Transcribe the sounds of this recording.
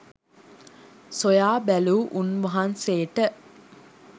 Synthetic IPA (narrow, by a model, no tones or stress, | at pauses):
sojaːbæluːʔunʋəɦanseːʈə